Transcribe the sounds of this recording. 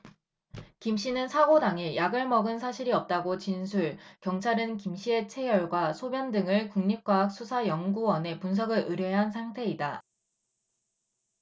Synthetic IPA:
kimɕ͈inɯnsʰaɡodaŋejaɡɯɭmʌɡɯnsʰaɕʰiɾiʌp̚t͈aɡot͡ɕinsʰuɭkjʌŋt͡ɕʰaɾɯnkimɕ͈ʰie̞t͡ɕʰe̞jʌɭɡwasʰobjʌndɯŋɯɭkuŋɲip̚k͈waɦak̚s͈ʰusʰajʌŋɡuwʌne̞puns̬ʰʌɡɯɾʔɯɾjʌɦansʰaŋtʰe̞ida

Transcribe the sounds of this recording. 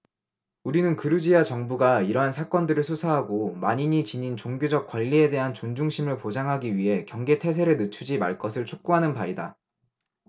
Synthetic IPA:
uɾinɯnkɯɾud͡ʑiat͡ɕʌŋbuɡaiɾʌɦansʰak͈ʌndɯɾɯɭsʰusʰaɦaɡomaɲiɲit͡ɕiɲint͡ɕoŋɡjod͡ʑʌk̚k͈waʎːie̞de̞ɦant͡ɕond͡ʑuŋɕʰimɯɭpod͡ʑaŋɦaɡiɥiɦe̞kjʌŋɡetʰe̞s̬ʰe̞ɾɯɭnɯt͡ɕʰud͡ʑima̰ɭk͈ʌsʰɯɭt͡ɕʰok̚k͈uɦanɯnpaida

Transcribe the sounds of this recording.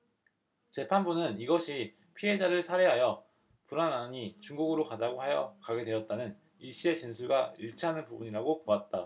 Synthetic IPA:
t͡ɕe̞pʰanbunɯniɡʌɕʰi | pʰiɦe̞d͡ʑaɾɯɭsʰaɾe̞ɦajʌ | puɾanaɲit͡ɕuŋɡuɡɯɾokad͡ʑaɡoɦajʌ̰kaɡe̞dwe̞jʌt̚t͈anɯn | iɭɕ͈ie̞t͡ɕinsʰuɭɡaiɭt͡ɕʰiɦanɯnpubuɲiɾaɡopoat̚t͈a

